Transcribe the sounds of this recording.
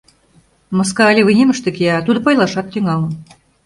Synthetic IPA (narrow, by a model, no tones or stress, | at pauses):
moskɑːlʲeβɨjnʲemə̆ʃt̪ĕkiɑt̪ud̪ɤ̆pɑjlˠɑʃɑt̪ːyŋɑlə